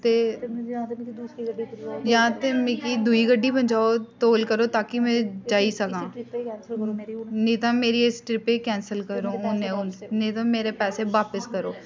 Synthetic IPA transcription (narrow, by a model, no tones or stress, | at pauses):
t̪eː | jãːt̪eːmẽːkiːd̪ʊiːɡəɖːiːbəɲd͡ʒaːoːt̪oːlkəɾoːt̪aːkɪmɛ̃ːd͡ʒaːiːsəkãː | nĩːt̪ãːmeːɾiːɪsʈɾɪpeːkɛ̃ːnsəlkəɾoːʊnẽːʊnnĩːt̪ãːmeːɾeːpɛːseːʋaːpəskəɾoː